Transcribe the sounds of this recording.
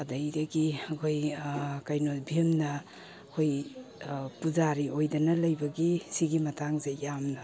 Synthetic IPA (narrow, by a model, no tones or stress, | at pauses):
ɐdɐjdɐɡiɐkʰojkajnobʱimnɐ | kʰoj | puzaɾiojdɐnɐlɐjbɐɡisiɡimɐtʰaŋzejamnɐ